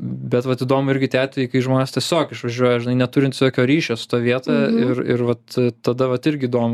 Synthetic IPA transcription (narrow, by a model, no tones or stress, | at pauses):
bʲɛt̪ʋɐt̪iːd̪oːmʊɪɾʲɡʲɪt̪ʲæːt̪ʲʊiɪkɐɪʒmoːnʲeːstʲiɛsʲoːkɪʃʋɐʒʲuɔjɛʒʲɪnɐɪnʲɛt̪ʊɾʲɪnt̪ʲsʲoːkʲoːɾʲiːʃʲoːsʊ̥t̪ɑʋʲiɛt̪ɑɪrɪ̰rʋɐt̪t̪ɐd̪ɐʋɐt̪ɪɾʲɡʲɪiːd̪oːmʊ